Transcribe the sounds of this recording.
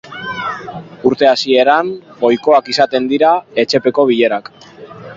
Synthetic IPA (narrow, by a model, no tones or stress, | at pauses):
uɾt̪e̞asie̞ɾamɡo̞jko̞akisat̪e̞nd̪iɾae̞t͡ʃe̞pe̞ko̞β̞iʎe̞ɾak